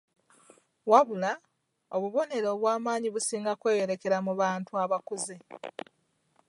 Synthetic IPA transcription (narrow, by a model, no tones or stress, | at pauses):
waβula | o̞βuβo̞ne̞ɾo̞ːβwaːmaːɲiβusiːŋɡakwe̞ːjo̞ɾe̞ke̞ɾamuβaːntuaβakuzi